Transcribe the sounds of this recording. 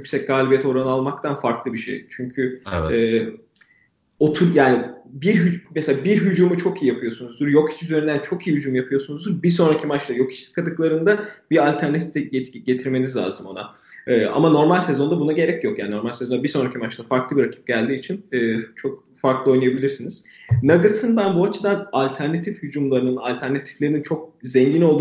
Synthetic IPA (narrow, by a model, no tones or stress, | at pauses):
jycʲsɛc̚ɡaːlʲibijet̪ʰo̞ɾanɯalˠmak̚t̪ʰanfaɾklˠɯbiʃḛjt͡ʃʰyɲcʰyɛː | ot̪ʰuɾjaːnibiɾɦyd͡ʒmɛselʲaːbiɾɦyd͡ʒuːmut͡ʃʰo̞kijijapʰɯjo̞sunuzd̪uɾjo̞kʰi̥t͡ʃyzeɾynd̪ænt͡ʃʰo̞kijihyd͡ʒumjapʰɯjo̞sunuzd̪uɾbiso̞nɾacʰimat͡ʃlˠajo̞kʰi̥t͡ʃt̪kʰad̪ɯklˠaɾɯnd̪abiɾalʲt̪ʰæɾnat̪ʰi̥ft̪ɛɟeɟe̞t̪ʰiɾme̞nizlʲa̰ːzɯmo̞na̰ | ɯːa̰mano̞ɾmalʲsɛzo̞nd̪abunaɟe̞ɾɛcjo̞kjaːnino̞ɾmalʲsɛzo̞nd̪abiso̞nɾacʰimat͡ʃlˠafaɾklˠɯbiɾacʰi̥p̚ɟ̥ælʲd̪iːt͡ʃʰinɯːt͡ʃʰo̞k̚ | faɾklˠɯo̞jnajabilʲiɾsiniz̥ | naɡɯlsɯnbænbuat͡ʃʰɯd̪analʲt̪ʰæɾnat̪ʰifhyd͡ʒumlˠaɾɯnɯna̰lʲt̪ʰæɾnat̪ʰi̥flʲeɾinint͡ʃʰo̞k̚zɛɲɟino̞lˠd̪